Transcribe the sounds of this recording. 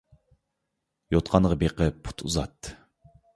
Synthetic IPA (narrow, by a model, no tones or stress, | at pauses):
jot̪qʰɑnʁɑbeqʰəpʰu̥t̪ʰuzɑ̰t̪ːɨ